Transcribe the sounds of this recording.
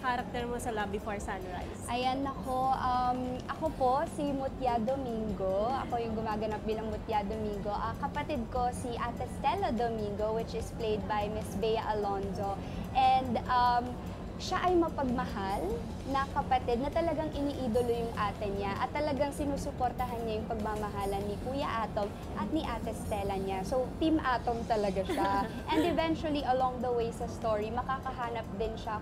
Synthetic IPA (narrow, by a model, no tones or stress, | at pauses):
kaɾɐk̚t̪ɛɹmosɐlaːbipɐɹsanɹa̰jsʔɐjanːɐko̞ʔɐmʔɐkopo̞simʊt̪jad̪omiŋɡoʔɐ̰ko̞jʊŋɡʊmaːɡɐnap̚b̪iːlɐŋmʊt̪jad̪omiŋɡo̞ʔɐkɐpɐt̪id̪̚ko̞siʔɐt̪ɛst̪ɛlod̪omiŋɡo̞wɪt͡ʃɪsplejd̪̚bɐjmɪsbɛjɐʔɐlonzo̞ | ʔɛnd̪ʔɐm | ʃaʔɐjmɐpɐɡ̚mɐhal | nɐkɐpɐt̪ɪd̪̚nɐt̪ɐlɐɡaŋʔɪniːʔiːd̪olojʊŋʔaːt̪ɪnɲaʔɐt̪ːɐlɐɡaŋsɪnuːsʊpoɾt̪ɐɦanɲajʊŋpɐɡ̚mamɐɦaːlɐnːipuːjɐʔaːt̪om | ʔɐt̪̚niʔat̪ɛst̪ɛlɐɲasot̪imʔaːt̪omt̪ɐlɐɡaʃa | ʔɛ̃nd̪ɪvɛnt͡ʃʊwɐliʔɐlɔ̃ŋd̪ɐwejsɐst̪oɹimɐkaːkɐɦaːnɐp̚d̪ɪnʃa